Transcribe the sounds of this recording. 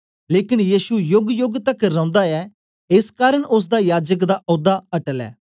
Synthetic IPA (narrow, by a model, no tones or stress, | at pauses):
leːkɪnjiːsujʊɡjʊɡt̪ɐkɾɐ̃ːnd̪aɛː | ɪskaːɾəɽ̃ʔʊs̬d̪ajaːd͡ʒək̬d̪aʔɔːd̪aɐʈəlɛ̰ː